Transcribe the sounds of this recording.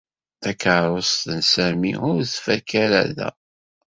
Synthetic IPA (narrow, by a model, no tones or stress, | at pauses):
ækəʕɾˤosˤt̪ənsæmḭʊɾθfækːæɾæ̰ðæ̰